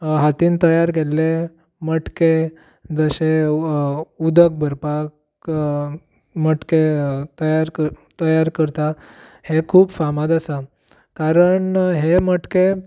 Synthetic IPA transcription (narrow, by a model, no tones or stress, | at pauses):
ɦat̪iːnt̪əjaɾɡelːe | məʈke | d͡zəse | ud̪ək̚bʱəɾpak | məʈket̪əjaɾət̪əjaɾkəɾt̪ahekʰuːbfamad̪əsa | kaɾəɳɦeməʈke